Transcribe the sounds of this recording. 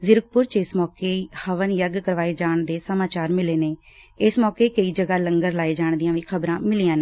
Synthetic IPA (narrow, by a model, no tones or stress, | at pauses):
zɪɾək̚pʊɾt͡ʃɪsmɔːkeːhəʋənjəɡkəɾʋaːeːd͡ʒaːɳd̪eːsəmaːt͡ʃaːɾmɪleːneː | ɪsmɔːkeːkəiːd͡ʒəɡaːləŋɡəɾlaːeːd͡ʒaːɳd̪ijãːʋĩːkʰəbɾãːmɪliːãːneː